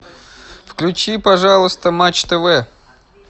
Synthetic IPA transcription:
fklʲʉt͡ɕipɐʐalˠəst̪əmat͡ɕt̪əvɛ

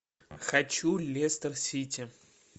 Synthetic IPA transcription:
xɐt͡ɕulʲest̪ərsʲitʲɪ

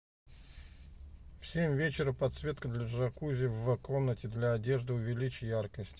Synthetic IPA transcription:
fsʲemʲvʲet͡ɕɪɾəpɐt̪svʲe̞t̪kəd̪lʲɐʐɐkuzʲɪvəko̞mnətʲɪd̪lʲaːdʲe̞ʐd̪ɨʊvʲɪlʲit͡ɕɪjarkəsʲtʲɪ

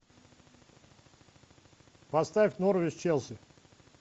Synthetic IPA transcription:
pɐst̪afʲt̪ʲnoɾvʲɪst͡ɕelˠsʲɪ

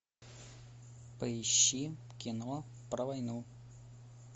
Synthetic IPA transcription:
pəɪɕːikʲinɔpɾɐʋɐjnu

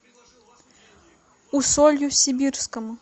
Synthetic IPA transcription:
usɔlʲjusʲibʲirskɐmu

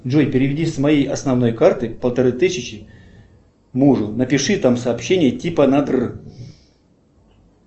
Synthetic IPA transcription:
dʐojpʲɪɾʲɪvʲɪdʲismɐjejɐsnɐvno̞jkart̪ɨpəlˠt̪ɐɾɨt̪ɨsʲɪt͡ɕɪ | muʐʊnəpʲɪʂɨt̪amsɐːpɕːenʲɪjətʲipənad̪rɨ

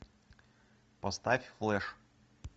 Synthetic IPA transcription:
pɐst̪afʲflˠɛʂ

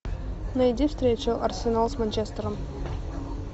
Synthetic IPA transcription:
nɐjd̪ʲifst̪ɾʲet͡ɕʊʔɐrsʲɪnalˠsmɐnʲt͡ʃest̪əɾəm

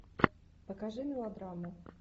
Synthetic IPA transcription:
pəkaʐɨmʲɪlˠad̪ɾamʊ

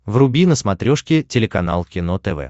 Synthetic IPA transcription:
vrʊbʲinəsmɐt̪ɾʲoʂkʲɪtʲɪlʲɪkɐna̰lˠkʲɪnot̪ɛvɛ̰

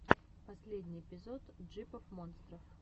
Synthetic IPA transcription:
pɐsʲlʲedʲnʲɪjɪpʲɪzo̞t̪ʐɨpəfmonst̪ɾəf

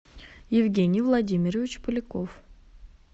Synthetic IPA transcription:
jɪvɡʲenʲɪjvlˠɐdʲimʲɪɾəvʲɪt͡ɕpɨlʲɪkof

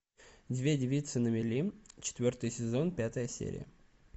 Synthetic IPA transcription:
dʲvʲedʲɪvʲit̪sɨnəmʲɪlʲit͡ɕɪ̥t̪vʲo̞rt̪ɨjsʲɪzo̞npʲat̪əjəsʲḛɾʲɪ̰jə

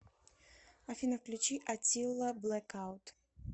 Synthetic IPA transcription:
afʲinɐfklʲut͡ɕiʔat͡sʲilˠːɐblˠɛkawt̪

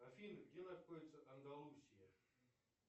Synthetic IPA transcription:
ɐfʲinʲɡdʲenɐt̪xodʲɪt̪səʔɐnd̪ɐlˠusʲɪjə

